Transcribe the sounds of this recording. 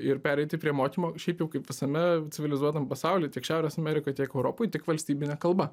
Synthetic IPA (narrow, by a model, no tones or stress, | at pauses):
ɪɾpʲæːɾʲɛɪt̪ʲɪpʲɾʲiɛmoːkʲimoːʃʲɛɪpjɛʊkɐɪpʋʲɪsɐmʲɛt͡sʲɪʋʲɪlʲɪzuɔt̪ɐmpɐsɑʊlʲɪːt̪ʲiɛkʃʲæʊɾʲeːsɐmʲɛɾʲɪkoːjt̪ʲiɛkɛʊɾoːpoːɪt̪ʲɪkʋɐlʲsʲt̪ʲiːbʲɪnʲɛkɐlˠbɐ